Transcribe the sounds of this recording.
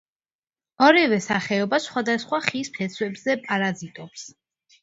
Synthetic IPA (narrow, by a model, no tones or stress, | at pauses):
ɔɾivɛsaχɛɔbasχwad̪asχwaχispʰɛt̪sʰwɛbzɛpʼaɾazit̪ʼɔps